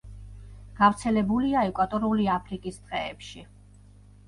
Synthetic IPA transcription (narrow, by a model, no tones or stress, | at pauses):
ɡ̥avɾt̪sʰɛlɛbuliaɛkʼwat̪ʼɔɾuliapʰɾikʼist̪ʼqʼɛːpʃi